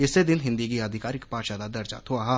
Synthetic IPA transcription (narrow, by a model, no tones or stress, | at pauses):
ɪsːed̪ɪnɦɪ̃nd̪ikiəd̪ʱɪkaːɾɪkpaːʃaːd̪ad̪ɐɾd͡ʒa̰t̪ʰoaɦa